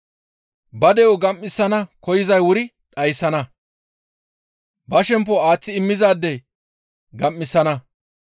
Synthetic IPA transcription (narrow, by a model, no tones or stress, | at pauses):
bɐd̪ɛjɔɡɐmːɪsːɐnɐkɔjɪzɐjwʊɾɪ | ᶑɐjsːɐnɐ | bɐʃɛmp̬ːɔaːt͡sːɪɪmːɪzaːd̪ːɛ | ɡɐmːɪsːɐnɐ